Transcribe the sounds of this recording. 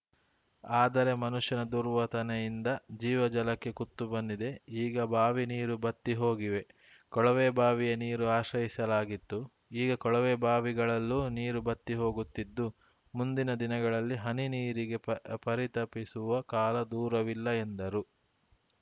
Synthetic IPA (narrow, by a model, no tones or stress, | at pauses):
aːd̪ɐɾe̞mɐnuʂjɐnɐd̪uɾʋɐt̪ɐnejind̪ɐd͡ʒiːʋɐd͡ʒɐlɐkːe̞kut̪ːubɐnd̪id̪e̞iːɡɐbaːʋiniːɾubɐt̪ːiɦo̞ːɡiʋe̞ | kɔɭɐʋeːbaːʋijɐniːɾuaːʃɾɐjisɐlaːɡit̪ːu | iːɡɐkɔɭɐʋeːbaːʋiɡɐɭɐlːuːniːɾubɐt̪ːiɦo̞ːɡut̪ːid̪ːu | mund̪inɐd̪inɐɡɐɭɐlːiɦɐniniːɾiɡe̞pɐɾit̪ɐpisuʋɐkaːlɐd̪uːɾɐʋilːɐe̞nd̪ɐɾu